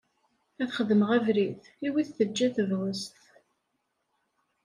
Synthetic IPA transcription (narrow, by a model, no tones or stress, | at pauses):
æθχəðəməʁævɾiθ | iwiθθəd͡ʒːæθəvʁəst̪